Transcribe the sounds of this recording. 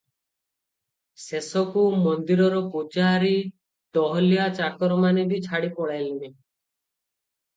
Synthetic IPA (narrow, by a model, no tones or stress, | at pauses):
sesɔkumɔnd̪iɾɔɾɔpud͡ʒaɾi | ʈ̪ɔɦɔliat͡ʃakɔɾɔmanebit͡ʃʰaɽipɔɭajlibe